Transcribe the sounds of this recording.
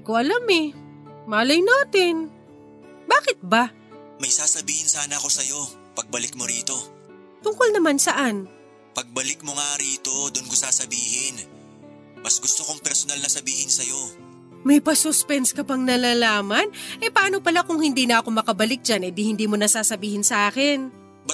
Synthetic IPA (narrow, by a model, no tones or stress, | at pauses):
koʔɐlamɛ | maːlɐjnaːt̪ɪn | baːkɪt̪̚ba | mɐjsaːsɐbiːhɪnsaːnɐɐko̞sɐjo̞ | pɐɡ̚bɐlɪk̚moɾiːt̪o̞ | t̪ʊŋkolnɐmansɐʔan | pɐɡ̚bɐlɪk̚moŋaɾiːt̪o̞d̪ʊnkosaːsɐbiːhɪn | mɐsɡʊst̪okoŋpɛɾsonalnɐsɐbiːhɪnsɐjo̞ | mɐjpɐsʊspɛnskɐpɐŋnɐlaːlaːmɐnʔɛpɐaːno̞pɐlakʊŋhɪnd̪iːnɐʔɐko̞mɐkɐbɐlɪk̚d͡ʒanɛd̪ɪhɪnd̪iːmonɐsaːsɐbiːhɪnsɐʔaːkɪn | bɐ